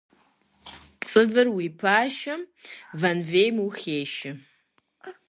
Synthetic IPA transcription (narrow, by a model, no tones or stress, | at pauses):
t͡sʼɨvɨrwipʰaːʃɐvɐnveːjmuxʲeːʃɪ